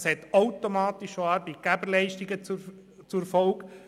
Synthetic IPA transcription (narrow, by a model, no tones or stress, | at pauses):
shɛt̪ɔʊtomɑːt̪iʃoɑːɾbɛt̚ɡ̥æbəɾlɛɪʃtiɡət͡s | t͡sufɔlk